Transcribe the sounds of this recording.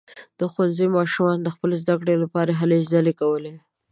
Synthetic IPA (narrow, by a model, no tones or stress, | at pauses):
d̪̥əxwanzəjmɑʃumɑnd̪əxpəlezd̪akɽelapɑɾaɦalezalekawəle